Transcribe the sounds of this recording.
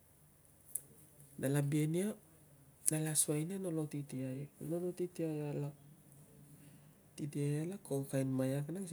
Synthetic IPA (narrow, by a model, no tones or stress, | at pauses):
nʔalabienia | nalasuajnano̞lotitiajnolotitiajala | titiajalakowkajnmajakanaŋs